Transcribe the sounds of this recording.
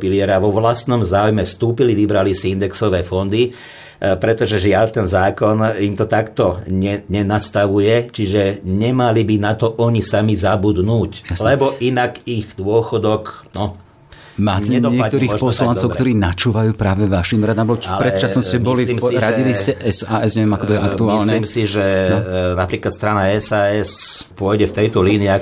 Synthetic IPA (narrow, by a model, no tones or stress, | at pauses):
piliɛɾaʋɔʋlast̪nɔmzaːujmɛfst̪uːpiliʋibɾalisiind̪ɛksɔʋɛːfɔnd̪i | pɾɛt̪ɔʒɛʒɪaʎt̪ɛnzaːkɔnimt̪ɔt̪akt̪ɔɲɛɲɛnast̪aʋujɛt͡ʃiʒɛɲɛmalibinat̪ɔʔɔɲisamizabud̪nuːcjaslɛbɔʔinakiɣd̪ʊɔxɔd̪ɔknɔ | maːɲɛɛd̪ɔɪɛat̪ɔɾiːɔpɔsland̪t͡sɔʊkt̪ɔɾiːnat͡ʃuːʋajuːpɾaːʋɛʋaʃimɾad̪ambɔalpɾɛt͡ʃasnɔsɛbɔliliːmsiɾaɟiliscɛʔɛsaːɛsɲɛʋɛmakɔt̪ɔjɛʔakt̪uaːilsnɛiːmsiʒɛnɔnapɾiːklat̪st̪ɾanaɛsaːɛs | pʊɔjɟɛft̪ɛjt̪ɔliːnia